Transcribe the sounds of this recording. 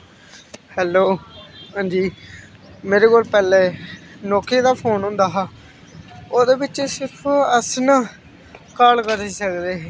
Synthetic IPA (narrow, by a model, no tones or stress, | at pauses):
hɛːloːɦãːnd͡ʒiː | meːɾeːkoːlpɛːleːnɔːkʰiːd̪aːpʰoːnɦʊ̃ːnd̪aːɦaː | oːd̪eːbɪt͡ʃːsɪɾpʰəsnː | kaːlkəɾiːsəkd̪eːɦeː